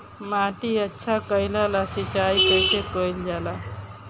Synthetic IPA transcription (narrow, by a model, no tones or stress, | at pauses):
maʈiətːʃʰakəjlalasit͡ʃaipəsekəjld͡ʒala